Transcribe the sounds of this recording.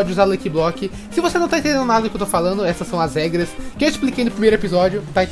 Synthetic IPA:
ɔd͡ʒɪuzaɾlɐjkɪblɔkɪ | sɪvosenɐ̃w̃t̪ãt̪ẽd̪ẽnd̪ʊnad̪ɐd̪ʊkewt̪ofalɐ̃nd̪ʊɛsɐsːɐ̃w̃ɐzhɛɡɾɐskɪewɪsplikejnʊpɾimejɾʊepizɔd͡ʒʊt̪a

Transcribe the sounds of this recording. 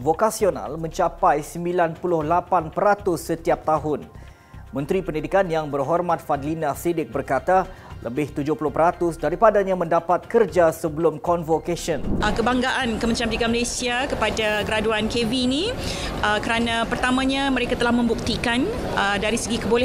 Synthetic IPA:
vokasiona̰lmə̃ɲt͡ʃapajsəmbilanpulʊhlapanpəɾat̪ʊsːət̪iap̚t̪aɦʊn | mə̃nt̪ɾipəndidikanjaŋbərɦɔrmãt̪̚fadlinasidɪk̚bərkat̪a | lʔə̰bɪht̪ud͡ʒʊhpulʊhpəɾat̪ʊsdaɾipadaɲamə̃ndapat̪̚kərd͡ʒasəbəlʊmkɔnvokasɔnkəbaŋɡaʔankəmənɾamiɡaməlesiakəpadaɡəɾaduankeviːni | əkəɾanãpərt̪amãɲaməɾekat̪əlahmə̃mbuk̚t̪ikan | ədaɾisəɡikəbolɛ

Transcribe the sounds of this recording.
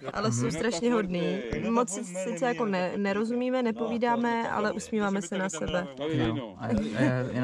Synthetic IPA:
ʔa̰lɛso̞wst̪ɾaʃɲɛɦo̞dniːmo̞t͡ssɪt͡sɛjako̞nɛnɛɾo̞zumiːmɛnɛpo̞viːdaːmɛʔa̰lɛʔusmiːvaːmɛsɛnasɛbɛ

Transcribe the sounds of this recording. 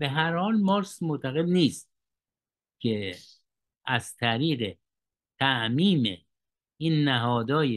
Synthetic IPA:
b̥eɦæɾhɒːlmɒːɾsmot̪ʰæɣe̞d̪niːst̪̚ | kʲʰe | ʔæzt̪ʰæɾiːɢe | t̪ʰæʔmiːmḛ | iːnːæɦɒːd̪ɒːje

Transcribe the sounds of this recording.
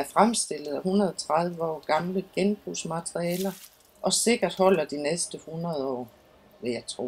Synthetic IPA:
æɐfʁamsd̥e̝l̰ð̩ˠæɦunɐð̞ˠɒt͡sʰʁɑð̞ˠʋəɒ̰ːɡ̥ɑ̈mləɡ̥enb̥ʁusmæt͡sʁiɛːlɐ | ʔɒ̽se̝ɡ̥ɐd̥hɒ̽l̰ɐd̥inesd̥əhunʁɐð̞ˠɒ̰ː | ʋe̝jɑ̈ɪt͡sʰʁo̝̰ː

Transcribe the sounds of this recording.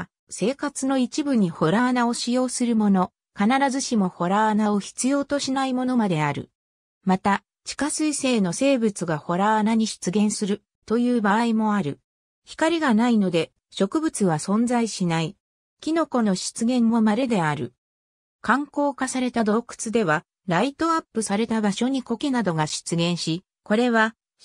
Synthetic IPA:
se̞ːkat͡sɨno̞it͡ɕibɯ̟ɲ̟iho̞ɾaːnao̞ɕijo̞ːsɨɾɯ̟mo̞no̞ | kanaɾazɨɕimo̞ho̞ɾaanao̞çi̥t͡sɨjo̞ːt̪o̞ɕinaimo̞no̞mad̪e̞aɾɯ̟̰ | mat̪a | t͡ɕi̥kasɨise̞ːno̞se̞ːbɯ̟t͡sɨɡaho̞ɾaanaɲ̟iɕi̥t͡sɨɡẽ̞ɰ̃sɨɾɯ̟ | t̪o̞jɯ̟ːbaimo̞aɾɯ̟ | çi̥kaɾʲiɡanaino̞d̪e̞ | ɕo̞kɯ̟bɯ̟t͡sɨβ̞asõ̞nd͡zaiɕinai | kʲino̞ko̞no̞ɕi̥t͡sɨɡẽ̞mːo̞maɾe̞d̪e̞aɾɯ̟̰ | kãŋko̞ːkasaɾe̞t̪ad̪o̞kɯ̟̥t͡sɨd̪e̞βa | ɾait̪o̞apːɯ̟saɾe̞t̪abaɕo̞ɲ̟iko̞kenad̪o̞ɡaɕi̥t͡sɨɡẽ̞ɰ̃ɕi | ko̞ɾe̞βa

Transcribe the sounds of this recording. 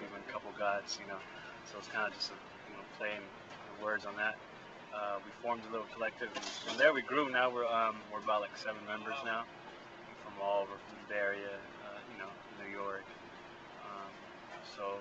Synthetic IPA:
ivɨ̃nkʰʌpl̩ˠɡaɪdz̥jɨnoʊ | soʊətskʰãɪ̃ndɨd͡ʒʌstɨ | jɨnoʊpʰl̥eɪɪ̃ŋ | nəwɜ˞dzn̩ðæt̚ | ʌwifɔɹmdəlɪɾl̩ˠkʰəlɛk̚tʰɪvɨɾiɨ̃nðə˞wiɡɹunaʊwəɹʌ̃mwɪɹəbaʊt̚ˡlaɪksɛvɨ̃n̩mɛ̃mbə˞znaʊ | fɹʌ̃mɔlˠoʊvə˞fɹʌ̃mðɨðɛɹiɨ | ʌjɨnoʊ | nːʉjɔɹk | ʌ̃m | soʊ

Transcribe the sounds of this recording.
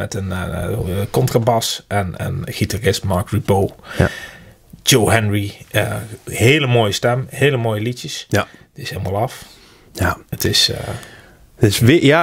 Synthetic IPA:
mɛtən | kɔntrabɑsʔɛnə̰nχitarɪstmɑɹkɹibow | d͡ʒowɦɛnɹiəheːləmoːjəstɛmheːləmoːjəlitjəsdɪshelmalˠɑf | jaətɪs | ɪsʋja

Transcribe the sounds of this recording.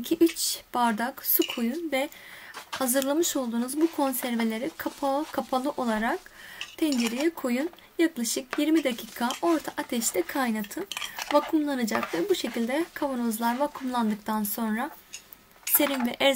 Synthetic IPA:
cʰiʔyt͡ʃb̥aɾd̪aksukʰojunvɛ | hazɯɾlˠamɯʃo̞lˠd̪uːnuzbukʰo̞nsæɾve̞lʲe̞ɾikʰapʰakʰːapʰalˠɯʔo̞lˠaɾak̚t̪ʰɛnd͡ʒeɾijɛkʰojun | jaklˠaʃɯkjiɾmid̪acʰiːkʰao̞ɾt̪ʰaʔat̪ʰɛʃt̪ʲɛkʰajnat̪ʰɯvakʰumlˠanɯd͡ʒakvɛbuʃe̞cilʲd̪ɛkʰavonozlˠaɾvakʰumlˠand̪ɯk̚t̪ʰanso̞nɾa | se̞ɾinvɛʔɛ

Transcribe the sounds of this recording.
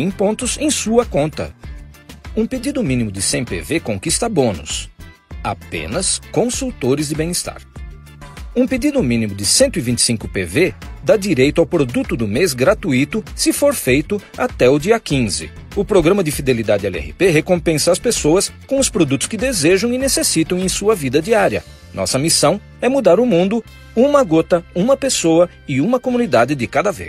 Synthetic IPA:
ẽj̃põnt̪ʊzẽj̃suɐkõnt̪ɐ̰ | ũped͡ʒid̪ʊmĩnimʊd͡ʒɪsẽj̃pḛvekõkist̪ɐbõnʊ̰s | a̰pḛ̃nɐskõsuwt̪oɾɪzd̪ɪbẽj̃ɪst̪a̰ɾ | ũpedid̪ʊmĩnimʊd͡ʒɪsẽnt̪ʊivĩnt͡ʃɪ̥sĩŋkʊpeved̪ad͡ʒiɾejt̪ʊawpɾod̪ut̪ʊd̪ʊmezɡɾat̪uit̪ʊsɪfoɾfejt̪ʊat̪ɛʊd͡ʒiɐkĩzɪ̰ʊpɾoɡɾɐ̃mɐd̪ɪfid̪elid̪ad͡ʒɪɛ̰ɛ̰hɪ̰peɦekõpẽsɐɐspesowɐskõʊspɾod̪ut̪ʊ̥skɪd̪ezeʒɐ̃w̃ɪnesesit̪ɐ̃w̃ẽj̃suɐvid̪ɐd͡ʒiaɾjɐ̰ | nʔɔ̰sɐmisɐ̃w̃ | ɛmud̪aɾʊmũnd̪ʊ | ũmɐɡot̪ɐũmɐpesoɐ | ɪũmɐkomũnid̪ad͡ʒɪd̪ɪkad̪ɐvḛs

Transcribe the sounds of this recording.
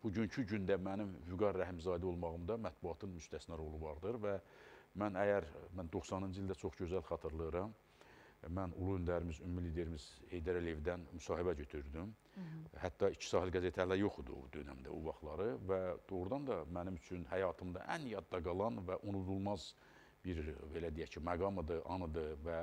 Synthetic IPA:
b̥uɟyncʰyɟynd̪æmænimvyɡɑɾːæɦimzɑːd̪io̞lˠmɑɣɯmd̪ɑmæt̪̚buɑt̪ʰɯnmyst̪æsnæɾo̞lˠuvɑɾd̪ɯɾvæmænæjæɾmænd̪o̞χsɑnɯnd͡ʒɯild̪æt͡ʃʰo̞χɟø̞zælχɑt̪ʰɯɾlˠɯɾɑm | mænṵlˠuynd̪æɾimizymːiliːd̪e̞ɾimiz̥he̞jd̪æɾælijevd̪ænmysɑːɦibæɟø̞t̪ʰyɾd̪ym | hæt̪ːɑit͡ʃʰi̥sɑːɦilʲɡæze̞t̪ʰælæɾjo̞χud̪ṵd̪ø̞næ̰md̪æ̰uvɑχlˠɑɾɯvæd̪̥o̞ɣɾud̪ɑnd̪ɑmænimyt͡ʃʰynhæjɑːt̪ʰɯmd̪ɑ̰ʔænjɑd̪ːɑɡɑlˠɑnvæʔunud̪ulˠmɑz | b̥iɾbe̞læd̪ijæcʰimæɡɑmɯd̪ɯʔɑnɯd̪ɯvæ

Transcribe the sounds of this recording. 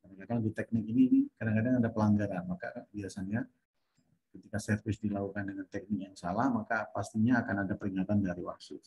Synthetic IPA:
kadaŋkadaŋdit̪ɛk̚nɪkiniːnikadaŋkadaŋadapəlaŋɡaɾanmaka̰biasaɲa | əmkət̪ikasərfɪsdilakukandəŋant̪ɛk̚nɪk̚jaŋsalahmakapast̪iɲaːkanadapəɾiŋat̪andaɾiwahsʊ

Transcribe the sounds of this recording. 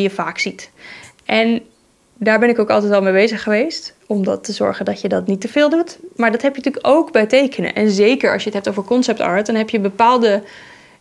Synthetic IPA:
jəvaːksit | ʔɛn | daːɹbɛnɪkowkɑlˠtɛtɑlˠmejbejzəχəʋejst | ɔmdɑtːəzɔ̰ɹχəndɑtjədɑtnitəv̥ɪːlˠdutmaːɹdɑtɦɛpjənətyːkowkbɛjtejkənə̰ʔɛnzejkəɹɑ̰sjəətɦɛp̚towvəɹkɔnsɛp̚tɑ̰ɹt̚dɑnɦɛpjəbəpaːlˠdə

